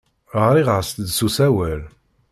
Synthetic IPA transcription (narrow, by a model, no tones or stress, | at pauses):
əʁɾiʁəɾst̪d̪susæwæl